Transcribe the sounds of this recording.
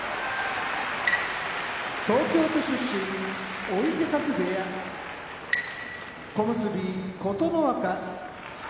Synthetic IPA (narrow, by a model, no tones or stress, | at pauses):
t̪o̞ːkʲo̞ːt̪o̞ɕɨɕːĩɲio̞it̪e̞kazɨd̪e̞ja | ko̞mɯsɨbʲiko̞t̪o̞no̞βaka